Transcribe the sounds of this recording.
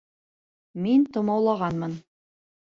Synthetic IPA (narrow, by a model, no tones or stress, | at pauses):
mint̪ŏmɑwlˠɑʁɑnmɤn